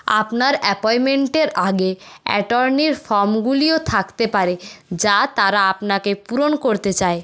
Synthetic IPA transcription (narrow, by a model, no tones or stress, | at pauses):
a̰pnaɾɛpɔjmeɳʈeɾaɡeɛ̰ʈoɾniɾfɔɾmɡuliot̪ʰakt̪epaɾed͡ʑat̪aɾaapnakepuɾonkoɾt̪et͡ɕae